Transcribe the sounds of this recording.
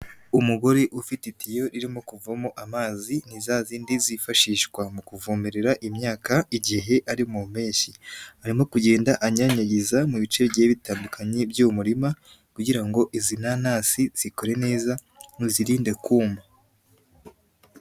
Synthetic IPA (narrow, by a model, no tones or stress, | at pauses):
umuɡo̞ɾeʔufititijo̞ɾiɾimo̞kuvamo̞ʔamaːzinizaziːndizifaʃiːʃkwamukuvumiɾeɾaʔimɲaːkaiɟiɦe̞ʔaɾimume̞ːɲʃiaɾimo̞kuɟe̞ːndaʔaɲaɲaɟizamuβit͡ʃeɾɟeːβitaːndukʰaɲe̞bjumuɾima | kuɟiɾaŋɡo̞ʔizinanaːsiz̥iko̞ɾe̞ne̞ːza | niziɾiːnde̞kuːmba